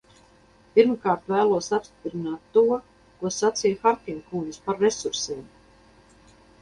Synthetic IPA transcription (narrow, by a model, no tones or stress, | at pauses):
piɾmkaːɾt̪væːlˠuɔsapst̪i̥pɾinaːt̪ːuɔ | kuɔsat̪sijxaɾt̪ʲiŋkuŋd̪ispaɾːesuɾsiːm